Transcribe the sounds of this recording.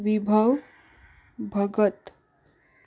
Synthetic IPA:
ʋibʱəw | bʱəɡət̪

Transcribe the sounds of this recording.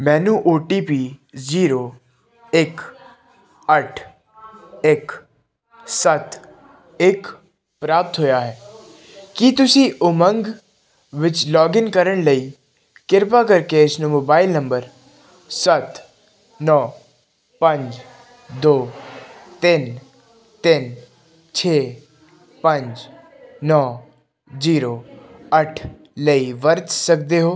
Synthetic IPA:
mɛːnuʔoːʈiːpiːziːɾo | ɪk | əʈʰ | ɪk | sɐt̪ | ɪk | pɾaːp̚t̪ɦoːjaɦɛː | kit̪ʊsiʔʊmə̃ŋɡ | ʋɪt͡ʃlɔːɡɪnkəɾəɽ̃lɐi | kɪɾpakɐɾkeɪsnõmoːbaːɪlnɐ̃mbəɾ | sɐt̪ | nɔː | pɐ̃ɲd͡ʒ | d̪oːt̪ɪn | t̪ɪn | t͡ʃʰeː | pɐ̃ɲd͡ʒ | nɔː | ziːɾoɐʈʰ | ləiʋɐɾt̪sɐkd̪eɦoː

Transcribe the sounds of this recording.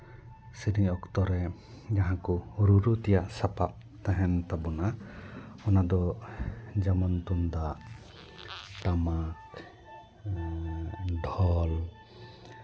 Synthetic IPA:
siɾiɔkt̪ɔɾɛ | d͡ʒaɦãkɔɾuɾut̪ɛjaʔsapap̚ | t̪ãɦɛnt̪abɔna | ɔnad̪ɔ | d͡ʒamɔnt̪und̪aʔ | ʈamak | d̪ʱɔl

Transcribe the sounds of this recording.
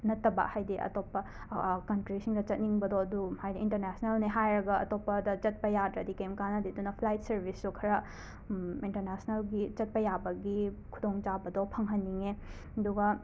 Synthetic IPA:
nɐtːɐba̰khajdiʔɐ̰topːɐ | kɐntɾisʰiŋdɐt͡ʃɐt̚niŋbɐdɔɐduhajdiinteɾnasʰnelniɦajɾɐɡɐɐ̰topːɐdɐt͡ʃɐt̚pɐjadɾɐdikemkanɐdidunːɐpʰlajt̚sɐɾbʱisːukʰɐɾɐ | inteɾnasnɐlɡit͡ʃɐt̚pɐjabɐɡikʰudoŋt͡ʃabɐdɔpʰɐŋɦɐnːiŋe | ɐduɡɐ

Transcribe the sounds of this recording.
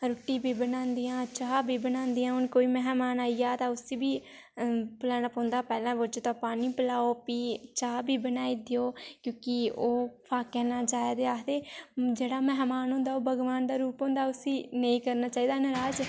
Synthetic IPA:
ɾoːʈiːbiːbənãːnd̪iːãːt͡ʃaːbʱiːbənãːnd̪iːãːʊnkoːiːmɛɦmaːnaːijaːt̪ãːʊsiːbiː | pəlaːnaːpɔ̃ːnd̪aːpɛːlãːbot͡ʃoːt̪ãːpaːniːpəlaːoːpiːt͡ʃaːbiːbənaːiːd̪ejoːkjõːkɪoːpʰaːkɛːnaːd͡ʒaːjad̪eːaːt̪eːd͡ʒeːɽaːmɛɦmaːnɦõːnd̪aːoːbəɡʋaːnd̪aːɾuːpõːnd̪aːʊsiːnəĩːkəɾnaːt͡ʃaːiːd̪aːnəɾaːd͡ʒ

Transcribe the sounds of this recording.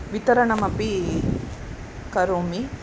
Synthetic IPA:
ʋit̪ɐɾɐɳɐmɐpi | kɐɾoːmi

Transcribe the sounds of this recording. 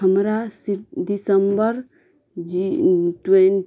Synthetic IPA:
əmɾasidisəmbəɾ | ʈwen

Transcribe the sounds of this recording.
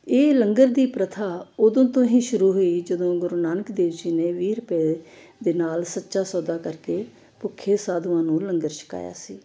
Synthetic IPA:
eːləŋɡəɾd̪iːpɾət̪ʰaːʊd̪õːt̪õːɦĩːʃʊɾuːɦoːiːd͡ʒəd̪õːɡʊɾoːnaːnəkd̪eːʋd͡ʒiːneːʋiːɾəpeː | d̪eːnaːlsətːʃaːsɔːd̪aːkəɾkeː | pʊkʰːeːsaːd̪ʊãːnũːləŋɡəɾʃə̥ka̰ːja̰ːsiː

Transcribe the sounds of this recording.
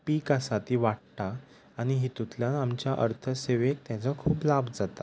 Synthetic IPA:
piːkasat̪iʋaʈ̚ʈ̪aː | ɽ̃iɦit̪ut̪ljanamt͡ɕjaʔə̰ɾt̪ʰəseʋek̚t̪jãt͡səkʰuːplabd͡zat̪a

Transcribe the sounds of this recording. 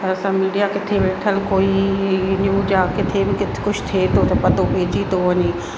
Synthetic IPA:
t̪ɐɐsãmiːɖijakɪt̪ʰebeːʈʰəlkoːijɪnjuːd͡ʑaːkɪt̪ʰebɪkɪkʊd͡ʑʰt̪ʰet̪ot̪ɐpɐt̪opeːd͡ʑit̪oʋɐɲeː

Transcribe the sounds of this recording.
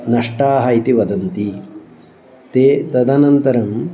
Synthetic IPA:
nɐʂʈaːɦɐit̪iʋɐd̪ɐnt̪i | t̪eːt̪ɐd̪ʱɐnɐnt̪ɐɾɐm

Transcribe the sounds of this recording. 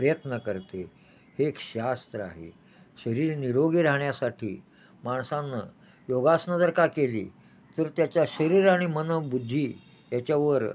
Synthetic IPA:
pɾəjət̪nəkəɾt̪e | hekɕast̪ɾəa̰ɦḛ | ɕəɾiːɾniɾoɡiːɾaɦɳjasaʈʰḭː | maɳsãnːə | joɡasnəd͡zəɾkakelḭː | t̪əɾt̪jat͡ɕjaɕəɾiːɾaɽ̃imənəʋbud̪ʱːiː | jat͡ɕaʋəɾ

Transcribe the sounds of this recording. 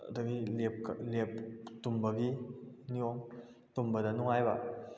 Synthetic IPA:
dɐɡilep̚klep̚tumbɐɡinijoŋ | tumbɐdɐnuŋajba

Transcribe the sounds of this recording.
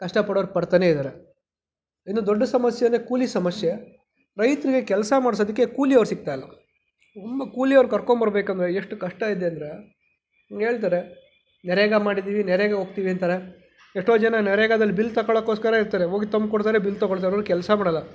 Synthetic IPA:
kɐʂʈɐpɐɽoʋɾpɐɽt̪ane̞id̪aːɾe | inːud̪ɔɖːɐsɐmɐsjenːekuːlisɐmɐsje | ɾɐjt̪ɾiɡe̞kɛlsɐmaːɽs̬ɐd̪ikːe̞kuːliɐʋɐɾsik̚t̪aːjɐlːɐ̰ | t̪ʰumbɐkuːlijɐʋɐɾnkɐɾkoɳbɐɾɐbeːkɐnd̪ɾeeʂʈukɐʂʈɐid̪eɐnd̪ɐɾe̞ | ɡeːɭt̪̬aːɾe̞ | nɛɾeɡamaːɽid̪iːʋinɛɾeɡaɦoːɡt̪iːʋiɐnt̪aːɾe | eʂʈo̞ːd͡ʒɛnɐnɛɾeːɡad̪ɐlːibilːt̪ɐkɐɭɐkːoːskɐɾaiɾt̪aːɾeɦoːɡit̪ɐmb̚koɽt̪aːɾebilːt̪ɔɡoɭt̪aːɾɐʋɾukɛlsɐmaːɽɐlːɐ

